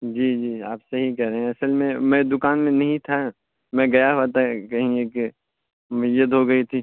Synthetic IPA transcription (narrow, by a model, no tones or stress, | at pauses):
d͡ʒiːd͡ʒiːa̰ːpsɐɦikɛɦɾɛɦɛ̃ɐsəlmẽmɛ̃d̪ʊkaːnmẽnɐɦĩt̪ʰa | mɛ̃ɡɐjaɦat̪akɐɦĩeːk | mɪjət̪ɦoɡɐit̪ʰiː